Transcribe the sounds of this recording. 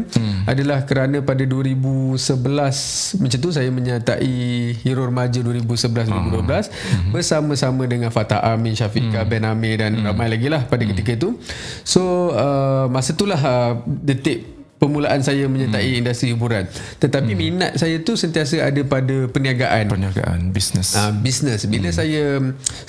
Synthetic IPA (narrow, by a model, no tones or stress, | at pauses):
a̰dalahkəɾanə̃padaduəɾibusəbəlasmə̃ɲt͡ʃant̪usajamə̃ɲət̪aʔihiɾʊrmad͡ʒəduəɾibusəbəlas̬duwəɾibuduəblas | bərsamə̃samə̃dəŋãnfat̪a̰ʔamĩnʃafikabɛnamedanramajlaɡilahpadakət̪ikət̪usoəmãsət̪ulaɦədət̪ɪʔ̚ | pəmũlaʔansajamə̃ɲət̪aʔiːndust̪ɾihibuɾant̪ət̪apimina̰t̪̚sajat̪usənt̪iasəadapadapəniaɡaʔanpəniaɡa̰ʔa̰nbisnəsabisnəsbiləsajə